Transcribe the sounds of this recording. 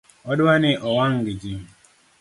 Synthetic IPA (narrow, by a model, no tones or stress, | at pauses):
ɔdanɪʔɔwaŋɡid͡ʒim̩